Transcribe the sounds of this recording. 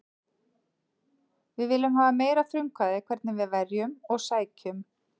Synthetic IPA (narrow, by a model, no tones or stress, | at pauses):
vɪðvɪlːʏmɦaːvameːjɾafɾʏŋkaðɪkʰv̥ɛɾt̪nɪvɪðvɛrjʏmɔɣsaːjcʏm